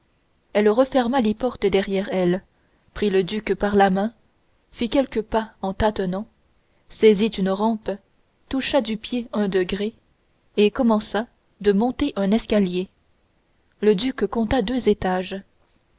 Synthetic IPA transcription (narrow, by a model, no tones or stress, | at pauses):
ɛlʁəfɛʁmalepɔʁt̪əd̪ɛʁjɛʁɛl | pχiləd̪ykpaʁlamɛ̃ | fikʲɛlkəpaɑ̃t̪at̪ənɑ̃ | sɛzit̪ynʁɑ̃p | t̪uʃad̪ypjeɛ̃d̪əɡʁe | ekɔmɑ̃sa | d̪əmɔ̃t̪eʔœ̃nɛskalje | ləd̪ykːɔ̃t̪ad̪øzet̪aʒ